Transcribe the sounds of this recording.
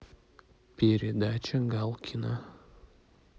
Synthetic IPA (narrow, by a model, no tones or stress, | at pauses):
pʲeɾʲɪd̪at͡ʃʲɐɡalˠkʲʰina